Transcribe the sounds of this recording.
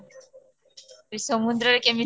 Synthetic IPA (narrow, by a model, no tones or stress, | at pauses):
ɾisɔmund̪ɾəɾkemi